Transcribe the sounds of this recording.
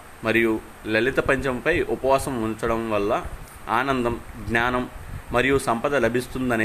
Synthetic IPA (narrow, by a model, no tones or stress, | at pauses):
mɐɾiju | lɐlit̪ɐpɐɲt͡ʃɐmpɐjʔupɐʋaːsɐmunt͡ʃɐɽɐmʋɐlːɐ | aːnɐnd̪ɐmɡnaːnɐmːɐɾijusɐmpɐd̪ɐlɐbʱist̪und̪ɐni